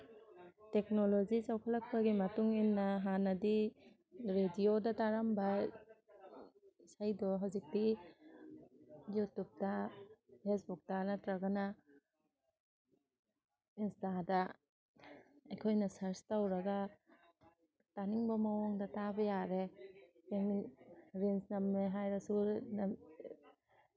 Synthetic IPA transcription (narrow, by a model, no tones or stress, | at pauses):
tek̚nolozizawkʰalɐk̚bɐɡimɐtuŋinːɐɦanɐdi | ɾediodɐtaɾamba | sajdɔɦawzik̚di | jutup̚dɐpʰesbuk̚tanɐtɾaɡɐna | instadɐ | ɐjkʰojnɐsɐɾstawɾɐɡa | taniŋbɐmɐwɔŋdatabɐjaɾe | emiɾensnɐmːeɦajɾɐsun